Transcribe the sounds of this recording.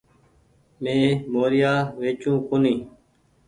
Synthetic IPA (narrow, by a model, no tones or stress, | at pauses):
mẽːmoːɾɪjaːʋeːt͡ʃũːkoːniː